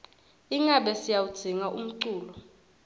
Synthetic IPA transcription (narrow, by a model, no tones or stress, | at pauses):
iŋaɓɛsijawud̥z̥ʱiŋaʔṵm̩ǀuːlɔ